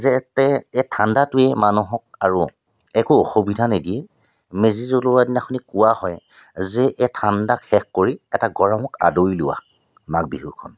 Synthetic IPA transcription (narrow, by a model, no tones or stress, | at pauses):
zɛtɛɛtʰandatʊɛmanuɦɔk̚aɹu | ɛkuoxobidʱanediɛ | mezizɔlowadinaxʰɔnikʊwahɔj | zɛʔɛtʰandakxɛkkoɹiɛtaɡɔɹamɔka̰doilʊwa̰ | mak̚biɦukʰɔ̰n